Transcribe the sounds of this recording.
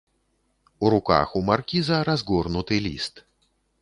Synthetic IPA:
uɾuka̰xumarkʲizɐɾazɡɔrnut̪ɨlʲḭst̪

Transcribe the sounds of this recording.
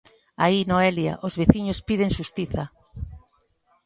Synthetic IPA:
ainoɛlja̰ʔozβeθiɲospið̞eŋʃust̪iθɐ

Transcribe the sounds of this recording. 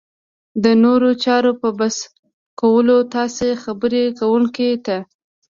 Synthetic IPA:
d̪ənoɾot͡ʃɑɾopəbas | kawəlot̪ɑsexabəɾekawuŋket̪a

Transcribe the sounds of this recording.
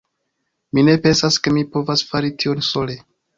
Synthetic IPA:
mine̞pe̞nsaske̞mipo̞vasfaɾitʰio̞nso̞le

